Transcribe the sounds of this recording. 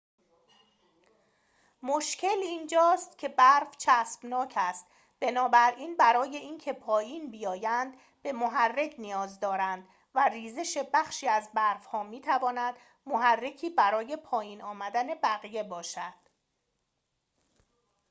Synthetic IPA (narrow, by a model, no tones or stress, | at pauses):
moʃcʰe̞liːnd͡ʒɒːst̪cʲʰe̞bæɾft͡ʃʰæsb̥nɒːcʰæst̪ | b̥e̞nɒːbæɾʔiːnbæɾɒːje̞iːncʰe̞pʰɒːjiːnbijɒːjænd̪ | be̞moɦærːe̞cʰnijɒːzd̪ɒːɾænd̪ | væriːze̞ʃe̞bæxʃiːæzbæɾvhɒːmiːt̪ʰævɒːnæd̪ | moɦærːe̞cʰiːbæɾɒːje̞pʰɒːjiːnɒːmæd̪æne̞bæɣije̞bɒːʃæd̪̥